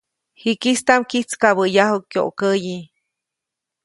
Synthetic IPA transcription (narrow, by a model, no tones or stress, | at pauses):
hikist̪amkit͡skaβəjaɦukːjo̰ʔkəji